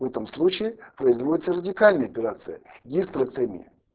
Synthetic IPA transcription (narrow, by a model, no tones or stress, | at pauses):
vɛt̪əmslˠut͡ɕɪɪpɾəɪzvodʲɪt̪sərədʲɪkalʲnəjəɐpʲɪɾat̪sɨjə̰ɡʲisʲt̪ɾək̪sɛmʲḭ